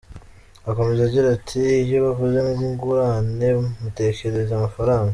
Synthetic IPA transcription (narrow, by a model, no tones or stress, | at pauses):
ako̞mezaɟiɾatʰiːjoβakuzeniziŋɡuɾane̞mute̞ce̞ɾe̞zamafaɾaːŋɡa